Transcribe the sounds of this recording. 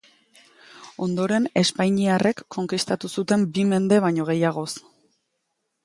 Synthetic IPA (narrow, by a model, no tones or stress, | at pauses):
o̞nd̪o̞ɾe̞ne̞spajɲiare̞kːo̞ŋkist̪at̪usut̪e̞mbime̞nd̪e̞βaɲo̞ɣ̞e̞jaɣ̞o̞s